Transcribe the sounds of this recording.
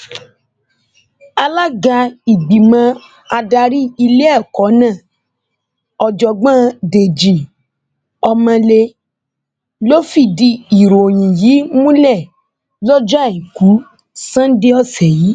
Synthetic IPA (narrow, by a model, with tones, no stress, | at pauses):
a˧la˦ɡa˧i˨ɡ͡bi˨mã˧˦ | a˧da˧ɾi˦i˧le˦ɛ˦˨kɔ˨˦nã˦˨ | ɔ˨d͡ʒɔ˨ɡ͡bã˦de˨d͡ʒi˨ | ɔ˧mã˧le˧ | lo˦fi˦˨di˧i˨ɾo˨o˨j̃ĩ˨jiː˨˦mũ˦lɛ˦˨ | lɔ˦d͡ʒɔ˦a˦˨ĩ˨ku˨˦ | sã˦n˦di˦ɔ˦˨sɛ˨ji˨˦